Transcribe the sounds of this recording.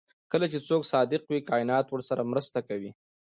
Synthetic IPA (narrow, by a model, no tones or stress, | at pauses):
kəlat͡ʃet͡soksɑd̪ɪqwikɑɪnɑt̪wəɾsaɾamɾəst̪akawi